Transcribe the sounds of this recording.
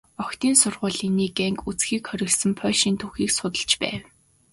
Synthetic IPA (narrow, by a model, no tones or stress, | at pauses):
ɔkt̪iːnsʊrʁʊːɮiniːɡæŋkut͡sxiːkχœɾʲɪ̆ɮsɘ̆mpʰœːʃiːnt̪ʰuxiːksʊt̪ə̆ɮt͡ɕpæ̰ːw